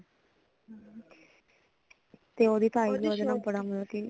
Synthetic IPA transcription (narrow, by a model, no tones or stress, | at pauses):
t̪eːoːd̪iːt̪aːiːbiod̪enãːbəɽaːməlki